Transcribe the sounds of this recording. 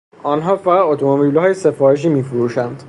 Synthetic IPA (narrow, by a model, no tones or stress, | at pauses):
ɒːnɦɒːfæʁæd̪ot̪ʰomobilhɒːjese̞fɒːɾeʃ̬iːmiːfoɾuːʃænd̪̥